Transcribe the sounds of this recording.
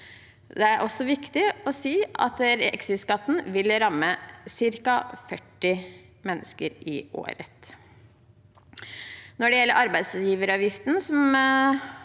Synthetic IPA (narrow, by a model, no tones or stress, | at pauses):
d̪ɛæɾʔɔsːɔʋɪkt̪ɪɔsiːɑ̰t̪ɾɛ̰ksɪskɑt̪ːn̩ʋɪlɾɑmːəsɪɾkɑfœʈːɪ | mɛnːəskəɾɪʔo̰ːɾə̰t̪ | nɔɖɛjɛlːəɾʔɑɾbæɪd̪sjiːʋəɾɑːʋjɪft̪nsɔm